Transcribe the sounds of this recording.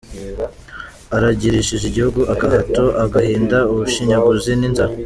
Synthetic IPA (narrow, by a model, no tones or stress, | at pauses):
aɾaɟiɾiʃiʒiɟihuɡuʔaɡahatoʔaɡahiːndauβuʃiɲaɡuzininza